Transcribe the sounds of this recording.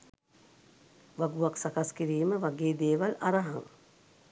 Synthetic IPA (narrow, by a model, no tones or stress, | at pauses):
ʋaɡuʋaksakaskiɾiːməʋaɡeːd̪eːʋalaɾaɦaŋ